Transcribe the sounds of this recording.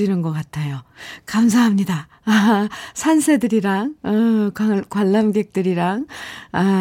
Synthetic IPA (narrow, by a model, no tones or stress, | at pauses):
inɯnɡʌk͈atʰejokams̬ʰaɦamɲida | sʰansʰe̞dɯɾiɾaŋʌakwaɭːamɡe̞k̚t͈ɯɾiɾaŋa